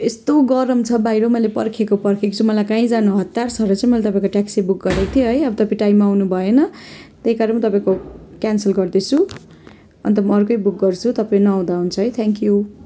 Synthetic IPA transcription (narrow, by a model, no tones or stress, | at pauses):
est̪oɡʌɾʌmt͡sʰʌbajɾomʌjlepʌrkʰekopʌrkʰekot͡sʰumʌlajkãĩd͡zanuɦʌt̪ːarsʌɾut͡sãimʌjlet̪ʌpãĩkoʈaksibuk̚ɡʌɾet̪ʰijoɦʌjʌbʌt̪ʌpĩʈaimːaːwnubʱʌjenʌt̪eɦikaɾʌnmt̪ʌpãĩkokansʌlɡʌrd̪et͡sʰu | ʌ̰nt̪ʌmʌːrkʌjbuk̚ɡʌrt͡sʰut̪ʌpaĩnʌːw̃d̪aɦunt͡sʰʌɦʌjt̪ʰeŋkju